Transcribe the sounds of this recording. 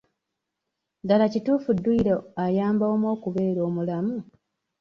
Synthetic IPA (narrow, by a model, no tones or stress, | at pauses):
dalacituːfudːuiɾeajaːmbaomo̞ːkuβe̞ːɾo̞ːmulamu